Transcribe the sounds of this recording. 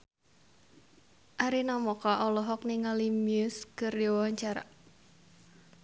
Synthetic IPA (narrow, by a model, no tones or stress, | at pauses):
ʔaɾinɔmɔkaʔɔlɔɦɔk̚niŋalimiʊskərdiwaɲt͡ʃaɾa̰